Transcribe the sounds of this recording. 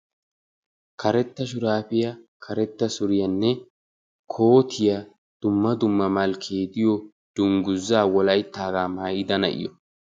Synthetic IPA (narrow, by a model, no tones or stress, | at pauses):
kʰɐɾɛt̪ːɐʃ̬ʊɾaːpɪjɐkʰɐɾɛt̪ːɐsʊɾɪjɐnːɛ | kʰo̞ːt̪ʰɪjɐ | d̪̥ʊmːɐd̪ʊmːɐmɐlkʰeːd̪ɪjɔ | d̪̥ʊŋɡʊzːaːwɔlɐjt̪ːaːɡaːmaːjɪd̪ɐnɐ̰ʔɪ̰jɔ